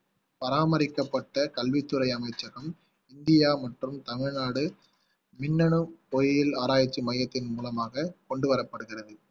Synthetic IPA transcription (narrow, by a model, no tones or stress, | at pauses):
pɐɾaːmɐɾɪkːɐpːɐʈːɐkɐlʋɪt̪ːɯɾɐɪɐmɐɪt͡ʃːɐɣɐm | ɪnd̪ɪjaːmɐʈrɯmt̪ɐmɪɻnaːɽɯ | mɪnːɐɳɯɔjjɪlaːɾaːjɐt͡ʃːɯmɐjːɐt̪ːɪnmuːlɐmaːɣɐkɔɳɖɯʋɐɾɐpːɐɽɯɣɪrɐðɯ